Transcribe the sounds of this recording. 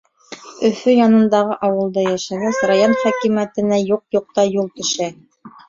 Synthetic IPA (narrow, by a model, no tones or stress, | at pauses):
ɵ̆fɵjɑnɤ̆nd̪ɑʁɤʔɑwɤ̆lˠd̪ɤjæʃæɡæsrajonχækimæt̪ɘ̆næjuq̚juq̚t̪ɑjulˠt̪ɵ̆ʃæ